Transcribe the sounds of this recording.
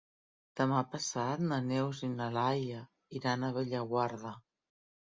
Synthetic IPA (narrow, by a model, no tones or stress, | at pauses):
d̪̥əmapəsat̪nənɛwzinalajə | iɾanəβeʎəɣwaɾðə